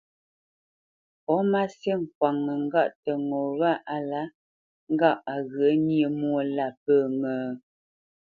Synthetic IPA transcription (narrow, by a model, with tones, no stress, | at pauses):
pɔ˨˦ma˦sjə˦ŋ̩˨kwa˨ŋːə˨ŋ̩˦ɡa˦˨ʔtə˨ŋo˨wa˦˨ʔa˦la˨˦ | ŋ̩˦ɡa˦˨ʔa˨ɣɰə˨˦njə˨mwo˦˨la˦˨p̚ə˦˨mə˨